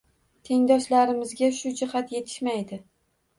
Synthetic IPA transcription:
t̪ʰe̞ŋd̪ɒʃlaɾɪmɪzɡʲaʃʊd͡ʒɪhat̪je̞t̪ʰɪ̥ʃmajd̪ɪ

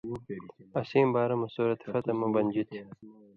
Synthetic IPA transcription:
ɐsiːmbaːɾɐmɐsoːɾɐt̪fɐt̪ɐmɐbɐnʲd͡ʑit̪ʰi̥

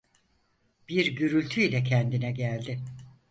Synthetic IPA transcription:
b̥iɾɟyɾylʲt̪ʰyilʲɛcʰɛnd̪inɛɟælʲd̪ɪ

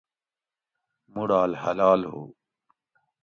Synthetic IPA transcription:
muɽaːlhɐ̰laːlɦo̰ː

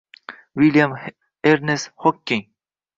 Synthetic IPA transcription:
wiljam | eɾneshokʲːɪŋ

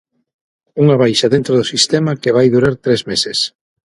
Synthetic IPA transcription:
uŋɐβajʃɐðent̪ɾʊðʊsist̪ɛmɐkeβ̞ajðuɾaɾt̪ɾezmeses

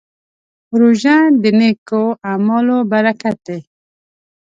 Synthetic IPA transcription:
ɾuʒand̪ɪnekoamɔlobaɾakat̪̚e

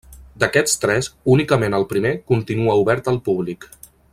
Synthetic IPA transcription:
d̪əkɛt̪st̪ɾɛzunikəmenəlˠpɾimekunt̪inuəuβɛɾt̪əlˠpuβlik

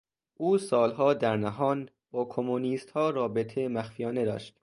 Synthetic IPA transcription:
ʔuːsɒːlɦɒːd̪æɾnæɦɒːn | bɒːkʰomuniːst̪hɒːrɒːbe̞t̪ʰemæxfijɒːne̞d̪ɒ̰ːʃt̪

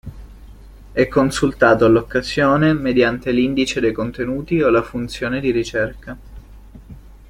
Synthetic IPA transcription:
ɛkːonsult̪aːt̪olokːazjoːnemed̪jant̪elind̪it͡ʃed̪ejkont̪enuːt̪iolafunt̪sjoːned̪iɾit͡ʃɛrka

